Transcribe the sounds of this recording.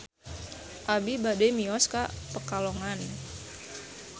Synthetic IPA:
ʔabibadɛmiɔskapəkalɔŋan

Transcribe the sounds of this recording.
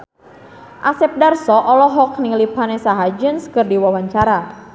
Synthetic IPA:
ʔasɛp̚darsɔʔɔlɔɦɔk̚niŋlipanesaɦad͡ʒənskərdiwawaɲt͡ʃaɾa

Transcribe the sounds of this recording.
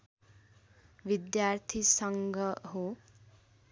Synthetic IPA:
ʋid̪jaɾt̪ʰisʌŋɡʱʌɦo

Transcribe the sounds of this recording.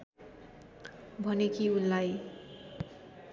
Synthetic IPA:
bʱʌnekiunlaj

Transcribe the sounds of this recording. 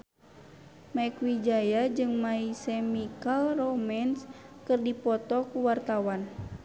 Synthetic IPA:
maɛkwid͡ʒajad͡ʒɨŋmaisɛmikalrɔmɛnskɨrdipɔt̪ɔkuwart̪awan

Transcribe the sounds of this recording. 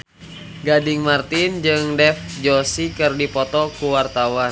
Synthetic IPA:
ɡadiŋmart̪ind͡ʒɨŋdɛfd͡ʒɔsikɨrdipɔt̪ɔkuwart̪awan

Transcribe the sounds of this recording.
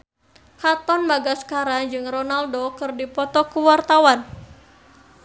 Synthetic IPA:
hat̪ɔnbaɡaskaɾad͡ʒɨŋronaldokɨrdipɔt̪ɔkuwart̪awan

